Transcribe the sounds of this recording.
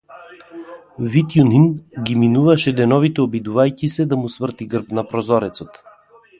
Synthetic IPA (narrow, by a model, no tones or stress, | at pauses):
vit̪juninɡʲiminuvaʃɛd̪ɛnɔvit̪ɛobid̪uvajkʲisɛd̪amusvər̩t̪iɡrfnapɾɔzɔɾɛt̪sot̪